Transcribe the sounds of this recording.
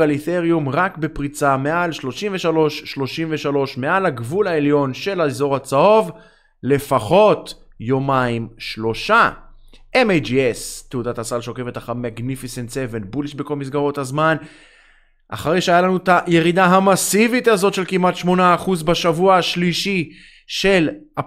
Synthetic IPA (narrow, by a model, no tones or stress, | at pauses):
alit̪eʁijumʁakbe̞pʁit͡same̞alʃlo̞ʃimve̞ʃalo̞ʃːlo̞ʃimveʃalo̞ʃme̞alaɡvulae̞ljo̞nʃe̞laezo̞ʁat͡sao̞v | le̞faχo̞t̪ | jo̞maimʃlo̞ʃa | ʔemejd͡ʒiest̪eudat̪asalʃeoke̞fe̞t̪aχamaɡnifisent̪sevenbuliʃbekolmis̬ɡaʁo̞thazman | ʔa̰χaʁejʃeajalanut̪aje̞ʁid̪aɦamasivit̪azo̞tʃe̞lkimat̪ʃmo̞naːχuzbaʃavuaaʃliʃi | ʃe̞la